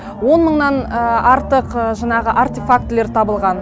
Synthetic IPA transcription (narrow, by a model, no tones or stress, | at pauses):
wo̞nməɴnɑnɑɾt̪əqʒɑɴɑʁəʔaɾt̪efak̚t̪le̞ɾt̪ʰɑbəlˠʁɑn